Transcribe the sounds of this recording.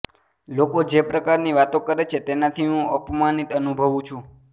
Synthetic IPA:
lokod͡ʒepɾəkaɾniʋat̪okəɾet͡ʃʰet̪enat̪ʰiɦũəpmanit̪ənubʱəʋũt͡ʃʰũ

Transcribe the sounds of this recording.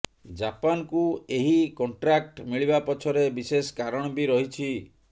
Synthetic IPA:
d͡ʒapankueɦikɔɳʈɾak̚ʈmiɭibapɔt͡ʃʰɔɾebiseskaɾɔɽ̃ɔbiɾɔɦit͡ʃʰi

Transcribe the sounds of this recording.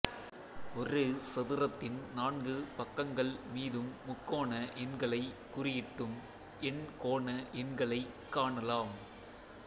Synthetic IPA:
ɔrɯsɐðɪɾɐt̪ːɪnnaːɳɡɯpɐkːɐŋɡɐɭmiːðɯmːʊkːoːnɐʔɛnɡɐɭɐɪkːʊrɪjɪʈːɯm | ɛnkoːɳɐʔɛnɡɐɭɐɪ | kːaːɳɐlaːm

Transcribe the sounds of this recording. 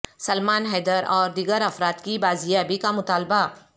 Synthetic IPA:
sɐlmaːnɦɛːd̪əɾɔːɾd̪iːɡəɾɐfɾaːt̪kibaːzijaːbikamʊt̪aːlba

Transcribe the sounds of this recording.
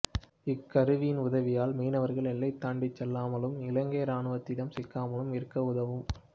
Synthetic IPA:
ɪkːɐɾɯʋijɪnʊðɐʋɪjaːlmiːnɐʋɐɾɣɐɭɛlːɐɪt̪ːaːɳɖɪt͡ʃːɛlːaːmɐlɯmɪlɐŋɡeːɾaːnɯʋɐt̪ːɪðɐmsɪkːaːmɐɯmɪɾɯkːɐʊðɐʋɯm

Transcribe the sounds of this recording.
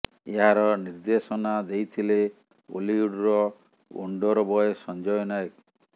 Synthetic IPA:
eɦaɾɔniɾd̪esɔnad̪ejt̪ʰile | o̰liuɽɾɔ | ṵɳɖɔɾɔbɔesɔnd͡ʒɔjɔnaek

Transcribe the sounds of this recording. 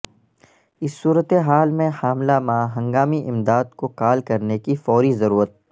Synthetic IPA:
ɪsːuːɾət̪eɦaːlmẽhaːmlamãːɦɐ̃ŋɡaːmiʔɪ̃md̪aːd̪kokaːlkɐɾnekifɔːɾizɐɾuːɾət̪̚

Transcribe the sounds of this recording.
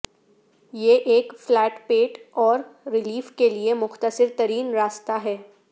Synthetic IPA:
jeʔeːkflɛːʈpeːʈɔːɾɾɪliːfkeliemʊxt̪əsɪɾt̪ɐɾiːnɾaːst̪aɦɛː

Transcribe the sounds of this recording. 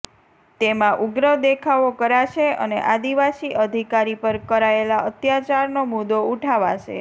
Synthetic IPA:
t̪emãʔuɡɾəd̪ekʰaʋokəɾat͡ʃeə̰nḛʔad̪iʋasiʔəd̪ʱikaɾipəɾkəɾaelaət̪jat͡ʃaɾnomud̪ouʈʰaʋat͡ʃʰḛ

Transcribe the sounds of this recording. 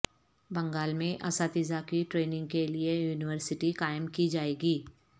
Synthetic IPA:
bɐ̃ŋɡaːlmẽʔɐsaːt̪ɪzakiʈɾeːnɪ̃ŋɡ̚keliejuːnɪwəɾsɪʈikaːɪmkid͡ʒaːeːɡiː

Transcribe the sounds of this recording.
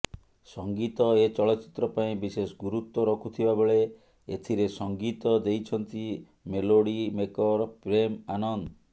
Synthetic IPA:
sɔŋɡit̪ɔet͡ʃɔɭɔt̪ːt͡ʃi̥t̪ɾɔpaĩbisesɡuɾut̪ːwɔɾɔkʰut̪ʰibabeɭe | ḛt̪ʰiɾesɔŋɡit̪ɔd̪ejt͡ʃʰɔnt̪i | meloɽimekɔɾpɾemanɔnd̪ɔ

